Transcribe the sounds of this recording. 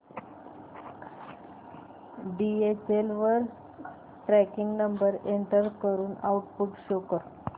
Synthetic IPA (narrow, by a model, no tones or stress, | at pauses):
ɖiet͡ɕelʋəɾ | ʈɾækiŋɡnəmbəɾeɳʈəɾkəɾuːnauʈpuʈɕokəɾ